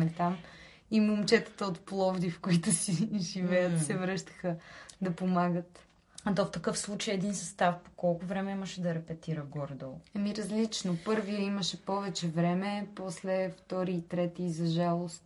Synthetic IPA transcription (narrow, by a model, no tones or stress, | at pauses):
ɛt̪am | imomt͡ʃɛt̪ə̥t̪əot̪plˠɔvd̪ifkoit̪ʊsiʒivɛjət̪sɛvɾɤʃt̪ə̥xəd̪ɐpomaɡət̪ | ɐt̪oft̪ɐkɤfslˠut͡ʃəjɛd̪insɐst̪afpo̥kɔlˠkʊvɾɛmɛiməʃɛd̪ɐɾɛpɛt̪iɾəɡɔɾd̪olˠɛmiɾɐzlit͡ʃnopɤɾviiməʃɛpɔvɛt͡ʃɛvɾɛmɛpɔslɛft̪ɔɾiːt̪ɾɛt̪iːzɐʒalˠost̪